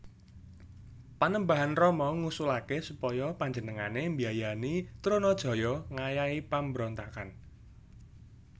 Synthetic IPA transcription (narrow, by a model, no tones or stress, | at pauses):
panəmbaɦanrɔmɔŋusulakesupɔjɔpaɲd͡ʒənəŋanembiajanit̪ɾonɔd̥ʒ̥ɔ̤jɔŋajaipambəɾɔnt̪akan